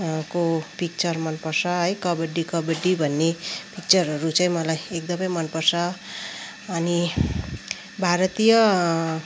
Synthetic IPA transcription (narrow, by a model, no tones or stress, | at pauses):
kopik̚t͡sʌrmʌnpʌrsʰʌɦʌjkʌbeɖikʌbeɖibʱʌnːepik̚t͡sʌɾʌɾut͡sʌj̃mʌlajekd̪ʌmʌjmʌnpʌrsʰʌː | ni | bʱaɾʌt̪ijʌ